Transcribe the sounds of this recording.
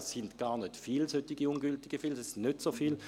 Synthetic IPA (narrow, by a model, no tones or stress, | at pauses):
sːɪntɡ̥aːɐʁnøtfiːlshøtɪɡəuːnɡyltɪɡ̥əfiːlsnøtsoːfiːl